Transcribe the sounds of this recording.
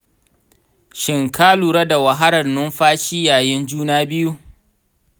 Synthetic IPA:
ʃɪ˨ŋkʰaː˦luː˨ɾa˦da˨wɐ˨ɦa˦ɽɐ˨rnʊ˦mɸaː˦ʃiː˦jaː˨jɪ˦nd͡ʒuː˦naː˦bɪ˦ju˦

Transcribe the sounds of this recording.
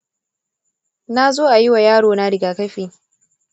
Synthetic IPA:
na˦zoː˦ʔa˨jɪ˦wa˨jaː˦ɽoː˨na˦ɽɪ˨ɡaː˨kɐ˦ɸiː˨

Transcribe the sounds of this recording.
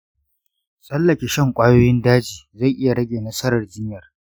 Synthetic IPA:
sʼɐ˦lːɐ˨kʲeː˨ʃɐ˦˨ŋkʷʼaː˦joː˦jɪ˦ndaː˦d͡ʒiː˨za˦˨jʔɪ˦ja˨ɽɐ˦ɡʲeː˨nɐ˦sɐ˦ɾɐ˨rd͡ʒɪ˦ɲjɐ˨r

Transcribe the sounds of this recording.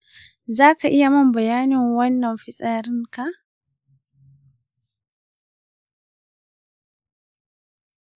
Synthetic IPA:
zaː˦ka˨ʔɪ˦ja˨mɐ˦mbɐ˨jaː˦nɪ˨ŋwɐ˦nːɐ˨mfɪ˦sʼaː˨ɾɪ˦ŋka˨

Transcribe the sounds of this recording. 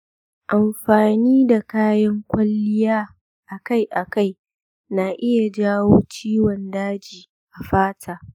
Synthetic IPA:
ʔa˨mɸaː˨niː˦da˨kaː˦jɐ˦ŋkʷɐ˦lːɪ˦jaː˦ | ʔa˨ka˦jʔa˨ka˦˨j | na˨ʔɪ˦ja˨d͡ʒaː˦woː˦t͡ʃiː˦wɔ˨ndaː˦d͡ʒiː˨ | ʔa˨ɸaː˦tʰaː˨

